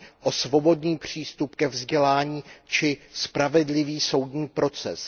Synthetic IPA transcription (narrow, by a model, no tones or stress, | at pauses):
ʔo̞svo̞bo̞dɲiːpr̝̥iːst̪upkɛvzɟɛlaːɲiːt͡ʃɪspɾavɛdlɪviːso̞wdɲiːpɾo̞t͡sɛs